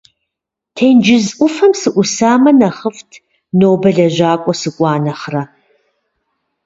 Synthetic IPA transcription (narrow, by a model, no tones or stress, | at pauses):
tʰejnd͡ʒɪzʔʷʊfɐmsɨʔʷʊsaːmɐnɐχəftʰ | noːbɐɮɐʑaːkʷʼɔsɨkʷʼɑːnɐχrɐ